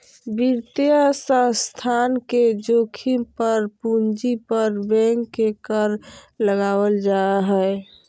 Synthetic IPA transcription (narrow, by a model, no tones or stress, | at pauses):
biɾt̪iasə̃st̪ʰanked͡ʒokʰipəɾpund͡ʒipəɾbɛ̃ŋkːekəɾləɡawəld͡ʒaɦɛ